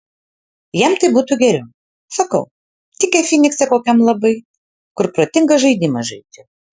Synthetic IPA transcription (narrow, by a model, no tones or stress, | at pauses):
jɛmt̪ɐɪbuːt̪uɡʲɛɾʲɛʊ | sɐkɐʊ | t̪ʲɪkʲɛfʲinʲɪksʲɛkoːkʲɛmlˠɐbɐɪ | kʊɾpɾoːt̪ʲɪŋɡɐʒɐɪd̪ʲɪmɐʒɐɪt̪ʲɪ